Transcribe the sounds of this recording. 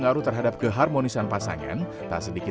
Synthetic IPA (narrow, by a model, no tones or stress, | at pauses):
ŋaɾut̪ərɦadap̚ɡ̥əɦarmonisanpasa̰ŋa̰n | t̪asədikɪ